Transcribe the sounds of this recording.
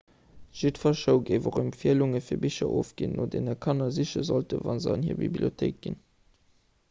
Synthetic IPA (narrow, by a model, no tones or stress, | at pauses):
ʒ̥itfɐʃəʊɡeɪvoχəmpfiəluŋəfiːɐbiɕɐʔoːfɡ̥innoːdeːnɐkʰɑnɐziɕɐzoltə̰vɑnzəɑnhḭːɐbḭbliotʰeɪk̚ɡ̥ḭn